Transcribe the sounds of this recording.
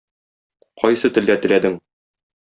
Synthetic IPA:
qɒjsɤt̪ɘ̆ld̪æt̪ɘ̆læd̪ɘŋ

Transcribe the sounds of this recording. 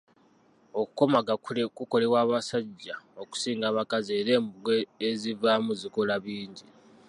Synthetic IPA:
o̞ku̥ko̞maɡakuko̞le̞waːβasaɟːao̞ku̥siːŋɡaːβakazeːɾe̞ːmbuɡeezivamuziko̞laβiːɲɟi

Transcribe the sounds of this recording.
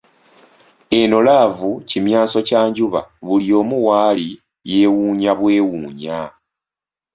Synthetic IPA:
e̞no̞laːvucimjaːso̞caːɲɟuβa̰βulio̞ːmuwaːli | je̞ːwuːɲaβwe̞ːwuːɲa

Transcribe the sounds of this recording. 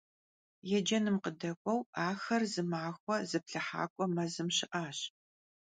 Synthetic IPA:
jɛd͡ʒɐnɨmqədɐkʷʼɔwaːxɐrzɨmaːxʷɔzɨpɬɨħa̰ːkʷʼɔmɐzɨmɕɪʔaːɕ

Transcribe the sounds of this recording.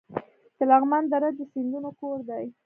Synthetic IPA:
d̪̥əlaɣmand̪aɾad̪ːəsɪnd̪unokoɾd̪aj

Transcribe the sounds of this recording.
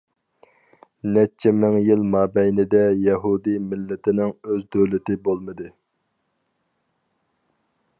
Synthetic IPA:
nɛt͡ʃʰːɛmɪŋjilˠmɑːbɛjnɪd̪ɛjɛɦud̪imɪlːɪt̪ʰɪnɪŋøzd̪øwlɪt̪ɪbolˠmɨd̪ɨ

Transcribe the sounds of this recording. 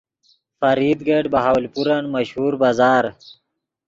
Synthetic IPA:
fɐɾiːd̪ɡeɖbɐɦaːwlpuɾanmɐɕhuːɾbazaːɾ

